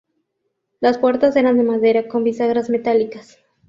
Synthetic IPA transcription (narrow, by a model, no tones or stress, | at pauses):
laspwe̞ɾt̪ase̞ɾand̪e̞maðe̞ɾako̞mbisaɣɾazme̞t̪alikas